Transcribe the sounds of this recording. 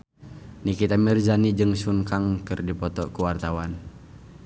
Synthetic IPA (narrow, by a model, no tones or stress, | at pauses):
nikit̪amirzanid͡ʒɨŋsuŋkaŋkɨrdipɔt̪ɔkuwart̪awan